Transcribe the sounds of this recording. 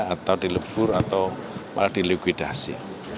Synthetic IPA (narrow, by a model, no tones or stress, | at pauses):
at̪awd̪̥i̤ləb̥ʊɾat̪awpad̥i̤likwid̪̥asḭ